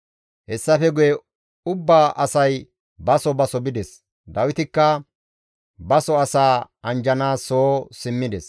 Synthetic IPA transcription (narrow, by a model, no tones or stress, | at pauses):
hɛsːɐfɛɡʊjɛ | ʊbːaːʔɐsɐj | bɐsɔbɐsɔbɪd̪ɛs | d̪ɐwɪt̪ɪkːɐ | bɐsɔɐsaːʔɐnd͡ʒɐnaːsoːsɪmːɪd̪ɛs